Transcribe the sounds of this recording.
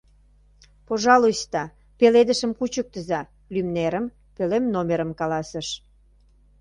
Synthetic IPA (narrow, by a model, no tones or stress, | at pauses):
poʒɑluɕt̪ɑ | peled̪əʃə̆mkut͡ɕək̚t̪əzɑ | lymneɾəm | pelemnomeɾə̆mkɑlɑsəʃ